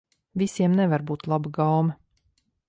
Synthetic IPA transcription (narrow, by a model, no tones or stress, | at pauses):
visiɛmnɛvaɾbuːt̪lˠabɡawm